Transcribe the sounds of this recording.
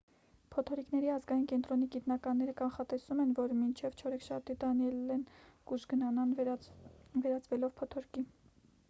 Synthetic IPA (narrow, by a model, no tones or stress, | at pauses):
pʰɔt̪ʰɔɾiknɛɾiɑzɡɑjinkɛnt̪ɾɔniɡit̪nɑkɑnːɛɾəkɑnχɑt̪ɛsumɛnvɔɾmint͡ʃʰɛvt͡ʃʰɔɾɛkʃɑɾt̪it̪ɑnɛlɛnkuʃɡənɑnɑn | vɛɾɑt͡svɛlɔvpʰɔt̪ʰɔɾki